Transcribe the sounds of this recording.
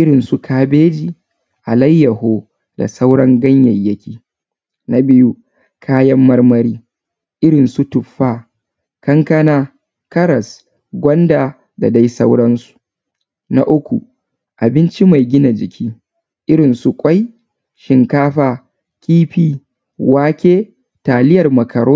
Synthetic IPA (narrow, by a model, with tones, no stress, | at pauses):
ʔɪ˦ɽɪ˨nsu˨kʰaː˦beː˦d͡ʒiː˨ | ʔa˨lɐ˦jːɐ˨hoː˦ | da̰˨sa˦wɽɐ˦ŋɡɐ˦ɲjɐ˨jːɐ˦kʲiː˦ | na˦bɪ˦ju˦ | kʰaː˦jɐ˦mːɐ˦rmɐ˦ɾiː˦ | ʔɪ˦ɽɪ˨nsu˦tʊ˨ɸːaː˦ | kɐ˦ŋkɐ˦naː˦ | kɐ˦ɽɐ˨s | ɡʷɐ˦ndaː˨ | da̰˨da˦jsa˦wɽɐ˦nsu̥˨ | na˦ʔʊ˦kʷṵ˨ | ʔa˨bɪ˦nt͡ʃi˦ma˨jɡʲɪ˦na˨d͡ʒɪ˨kʲʰiː˦ | ʔɪ˦ɽɪ˨nsu˨kʷʼa˦j | ʃɪ˨ŋkaː˦ɸaː˨ | kʲʼiː˦ɸiː˦ | waː˦kʲeː˦ | taː˨lɪ˦jɐ˨rmɐ˨kʰɐ˨ɽoː˦